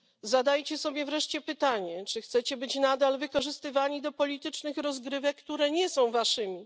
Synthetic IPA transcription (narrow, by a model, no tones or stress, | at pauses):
zad̪ajt͡ɕɛsɔbʲjɛvɾɛʂt͡ɕɛpɘt̪aɲɛt͡ʂɘxt̪sɛt͡ɕɛbɘt͡ɕnad̪alvɘkɔʐɘst̪ɘvaɲid̪ɔpɔlʲit̪ɘt͡ʂnɘxɾɔzɡɾɘvɛkkt̪uɾɛɲɛsɔ̃w̃vaʂɘmʲi